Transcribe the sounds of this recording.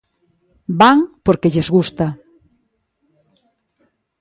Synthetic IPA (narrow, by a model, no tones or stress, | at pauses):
baŋpoɾkeʎezɣust̪a